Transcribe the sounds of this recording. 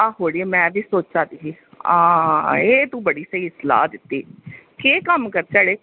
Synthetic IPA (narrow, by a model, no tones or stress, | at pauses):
aːɦoːɽieːmɛ̃ːbiːsoːt͡ʃd͡ʒãːd̪iːɦiːaeːt̪ũːbəɽiːsəiːɪsla̰ːd̪ɪt̪ːiːkeːkəmkəɾt͡ʃəɽeː